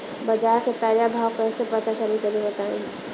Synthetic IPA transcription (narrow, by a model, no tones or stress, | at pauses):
bɐd͡ʒaːɾket̪aːɾjabʱaːwkɛːsepət̪at͡ʃəlit͡ʃəɾiɦot̪aːẽ